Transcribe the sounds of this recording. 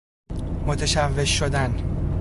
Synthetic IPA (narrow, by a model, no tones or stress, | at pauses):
mot̪ʰeʃævːe̞ʃːod̪æn